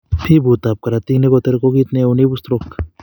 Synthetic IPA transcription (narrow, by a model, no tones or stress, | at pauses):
pʰibut̪ap̚kaɾat̪iknekot̪eɾkokit̪neunibust̪ɾok